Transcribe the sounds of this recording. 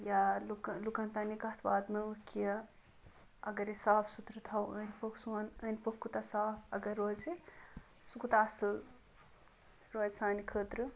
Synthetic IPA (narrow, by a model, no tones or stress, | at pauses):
jaluklukɐnt̪ɐnikɐɦt̪ʰbaːd̪mɨʋɨkijɐ | ɐ̰ɡɐɾesaːpʰsut̪ɾɨt̪ʰɐwəːnʲpoksuɐnəːnpokːut̪ɐsaːpʰɐɡɐɾːoːd͡ʒi | sukut̪aːsɨl | ɾoːd͡ʒsaːnikʰəːt̪ɾɨ